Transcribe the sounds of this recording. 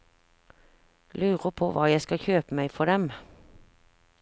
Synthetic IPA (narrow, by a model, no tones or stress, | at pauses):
lʉːʁəpʰoːʋɑ̰ːjæɪskɑçøːpəmæɪfɔd̪ɛm